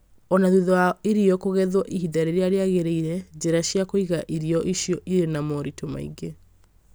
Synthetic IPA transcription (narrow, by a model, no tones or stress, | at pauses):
ɔnaðuðɔaiɾiɔkoɣɛðwɔʔiɦiðaɾeɾeaɾeaɣeɾeiɾɛd͡ʑeɾaɕjakoiɣaʔiɾiɔʔiɕijɔʔiɾenamɔɾitoma̰ḭɡe